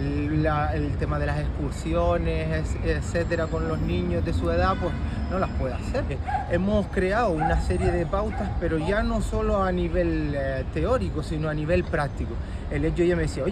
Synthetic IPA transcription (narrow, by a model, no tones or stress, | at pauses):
laelt̪e̞mað̞e̞lase̞hkuɾsjo̞ne̞sesese̞t̪e̞ɾako̞nlo̞ɦnĩɲo̞ɦðe̞sue̞ðapwe̞ɦno̞lahpwe̞ða̰se̞ɾe̞moskɾe̞aounase̞ɾje̞ðe̞pawt̪aspe̞ɾo̞ʝano̞so̞lo̞aniβe̞lt̪e̞o̞ɾikosino̞aniβ̞e̞lpɾak̚t̪iko | elet͡ʃojame̞ðesiao